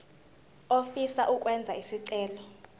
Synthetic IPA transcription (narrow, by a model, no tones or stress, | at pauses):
ofisaʔuk̬ʼwɛnd͡zʱaisiǀɛːlɔ